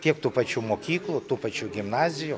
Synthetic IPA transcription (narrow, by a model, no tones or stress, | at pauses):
t̪ʲiɛkt̪uːpɐt͡ʃʲuːmoːkʲiːklˠut̪uːpɐt͡ʃʲuːɡʲɪmnɑːzʲɪjʊ